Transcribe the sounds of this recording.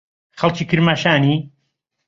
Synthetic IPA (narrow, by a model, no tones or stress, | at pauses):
χalˠt͡ʃʰikʰɨɾmaʃaːni